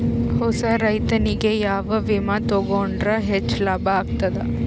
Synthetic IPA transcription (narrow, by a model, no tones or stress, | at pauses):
hɔsɐɾɐjt̪ɐniɡejaːʋɐʋimat̪oɡoɳɖɾɐɦet͡ʃːlaːbaaːɡ̚t̪ɐd̪ɐ